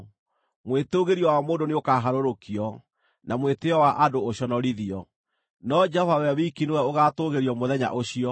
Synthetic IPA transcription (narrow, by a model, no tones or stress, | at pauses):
mwetoɣeɾiɔwamoːndoneokaɦaɾoɾokiɔ | nʔamweteɔwaʔadoːɕɔnɔɾiðiɔ | nɔd͡ʒɛhɔvawɛwikinowɛoɣatoɣeɾiɔmoðɛɲa̰ʔoɕiɔ